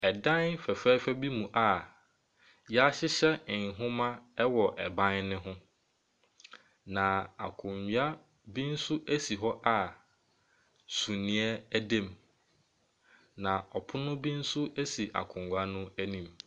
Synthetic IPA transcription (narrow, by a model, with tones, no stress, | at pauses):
ɛ˨dã˦nfæ˨fɛ˦fɛ˦bi˦mũ˨ʔa˨ | jɛ˦a˦ɕɪ˦ɕɛ˦ɪ̃˨ɦʊ̃˦mã˦ɛ˦wɔ˨ʔɛ˨bã˦nnɪ̃˦ɦʊ̃˦ | nã˨a̰˨kʰʊ̃˨ɲ˨a˦ | bĩ˦n̩˦sʊ˦ʔæ˦si˨ɦɔ˦ʔa˨ | sũ˨nĩ˨˦ɛ˦æ˦dẽ˦˨m | nã˨ɔ˨pʰʊ˦nʊ̃˦bĩ˦n̩˦sʊ˦ʔæ˦si˨ʔa̰˨kʰʊ̃˨ŋɡʷa˦nʊ̃˦æ˦nĩ˨m